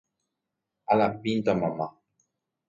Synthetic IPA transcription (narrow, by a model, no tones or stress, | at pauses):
alapint̪amama